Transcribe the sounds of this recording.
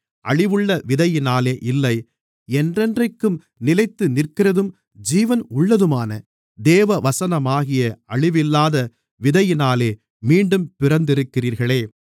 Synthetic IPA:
ʔɐɻɪʋɯɭːɐʋɪðɐjɪnaːleːʔɪlːɐɪ | ɛndrɛndrɐɪkːɯm | nɪlɐɪt̪ːɯnɪrkɪrɐðɯm | d͡ʒiːʋɐnʊɭːɐðɯmaːnɐ | d̪eːʋɐʋɐsɐnɐmaːɣɪjɐɐɭɪʋɪlːaːðɐ | ʋɪðɐjɪnaːleː | miːɳɖɯmpɪrɐnd̪ɪɾɯkːɪriːɾɣɐɭeː

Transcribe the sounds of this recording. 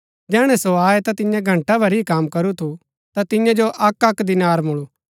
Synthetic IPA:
d͡ʒɛːɽ̃ɛ̃soaːet̪at̪ɪ̃jãɡʱɐ̃ɳʈabʱɐɾiikaːmkɐɾut̪ʰu | t̪at̪ɪjãd͡ʒoʔɐkɐkd̪ɪnaːɾmʊɭu

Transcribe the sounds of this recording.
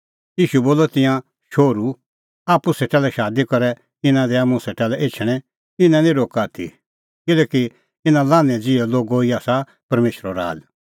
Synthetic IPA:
iːʃuboːlɔt̪ɪ̃jã | ʃoːɾu | aːpuseʈɛːlɛʃaːd̪ikɔɾɛ | ɪnãd̪ɛamũseʈɛːlɛʔeːt͡ʃʰɽ̃ɛ̃ | ɪnãnĩɾoːkaːt̪ʰḭ | kɪlɛːki | ɪnãlãːnɛ̃d͡zɪɛloːɡoiaːsa | pɐɾmeːʃɾɔɾa̰ːd͡ʒ

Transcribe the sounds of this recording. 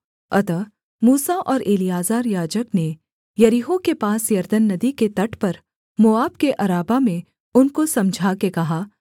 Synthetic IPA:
ɐt̪ə | muːsaʔɔːɾeːlijaːzaːɾjaːd͡ʒəkne | jɐɾiɦokepaːsjɐɾd̪ənːɐd̪iket̪ɐʈʰpɐɾ | mʊaːbkeʔɐɾaːbamẽ | ʊnkosɐmd͡ʒʱakekɐɦaː

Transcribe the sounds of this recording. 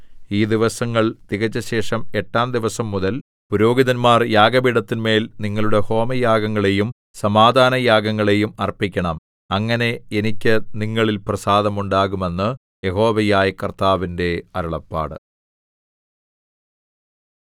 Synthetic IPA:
iːd̪iʋɐsɐŋːɐɭt̪iɣɐt͡ɕːɐɕe̞ːʂɐme̞ʈːaːnd̪iʋɐsɐmːuðɐl | puɾo̞ːɡiðɐnmaːrjaːɡɐbiɽɐt̪ːinme̞ːlniŋːɐɭuɽe̞ho̞ːmɐjaːɡɐŋːɐɭe̞jum | sɐmaːd̪ʱaːnɐjaːɡɐŋːɐɭe̞jumɐrpikʲːɐɳɐm | ɐŋːɐne̞enikʲːɨniŋːɐɭilprɐsaːd̪ɐmuɳɖaːɣume̞nːɨ | je̞ɦo̞ːʋɐjaːjɐkɐrt̪aːʋinde̞ɐɾɐɭɐpːa̰ːɽɨ̰

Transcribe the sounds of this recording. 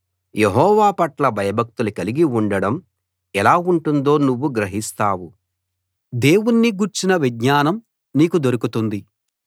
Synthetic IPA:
jeɦɔːʋaːpɐʈlɐbʱɐjɐbʱɐk̚t̪ulukɐliɡiuɳɖɐɽɐm | ɛlaːuɳʈund̪o̞ːnuʋːuɡɾɐɦist̪aːwu | d̪e̞ːwunːiɡuɾt͡ʃinɐʋidɲaːnɐm | niːkud̪oɾukut̪und̪i

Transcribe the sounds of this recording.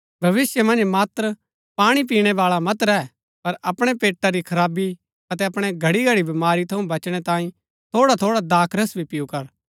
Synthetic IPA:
bʱɐʋɪsjəmɐ̃nd͡ʒmaːt̪ɾə | paːɽ̃ip̬iːɽ̃ɛbaːɭamɐt̪ɾɛː | pɐɾɐpɽ̃epeːʈːaɾikʰɐɾaːbi | ɐt̪ɛɐpɽ̃eɡʱɐɽiɡʱɐɽibɐmaːɾit̪ʰɐũbɐt͡ʃɽ̃ɛt̪ãːĩ | t̪ʰoːɽat̪ʰoːɽad̪aːkʰɾəsbʱipɪjukɐɾ

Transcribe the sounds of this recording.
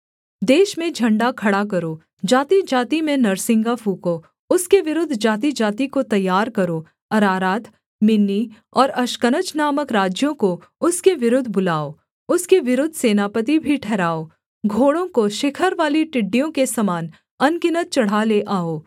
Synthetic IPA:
d̪eːʃmẽd͡ʒʱɐ̃ɳɖakʰɐɽak̬ɐɾoː | d͡ʒaːt̪id͡ʒaːt̪imẽnɐɾsɪ̃ŋɡafʰuːko | ʊskeʋɪɾʊd̪ʱd͡ʒaːt̪̬id͡ʒaːt̪ikot̪ɐjːaːɾkɐɾoː | ɐɾaːɾaːt̪ʰ | mɪnːi | ɔːɾɐʃkənət͡ʃnaːməkɾaːd͡ʒjõko | ʊskeʋɪɾʊd̪ʱbʊlaːoː | ʊskeʋɪɾʊd̪ʱseːnaːpət̪̬ibʱiʈʰɛːɾaːo | ɡʱoːɽõkoʃɪkʰəɾʋaːliʈɪɖːijõkesɐmaːn | ɐnkɪnət̪̚t͡ʃɐɽ̤aleʔaːoː

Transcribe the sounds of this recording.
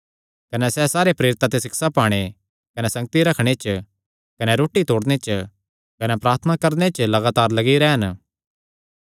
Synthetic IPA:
kɐnɛsɛsaːɾepɾeːɾɪt̪ːat̪esɪksapaːɽ̃e | kɐnɛsɐ̃ŋɡ̚t̪iɾɐkʰɽ̃et͡ʃ | kɐnɛɾoːʈit̪oːɽnet͡ʃ | kɐnɛpɾaːɾt̪ʰənakɐɾnet͡ʃlɐɡaːt̪aːɾlɐɡiɾɛːɦɐn

